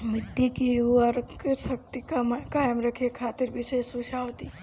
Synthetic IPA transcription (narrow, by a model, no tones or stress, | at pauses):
mɪd̪ːikiɐɾksɐk̚t̪ikamkaːjəmɾɐkʰekʰaːt̪iɾbʱiʃesuːʃaːoʋt̪i